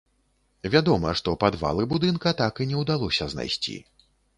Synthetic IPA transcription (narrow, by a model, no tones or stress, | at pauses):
vʲad̪ɔmɐ̰ʂt̪ɔpad̪va̰lˠɨbud̪ɨnkɐt̪akɨnʲɛwd̪alˠɔsʲɐzna̰jsʲt͡sʲḭ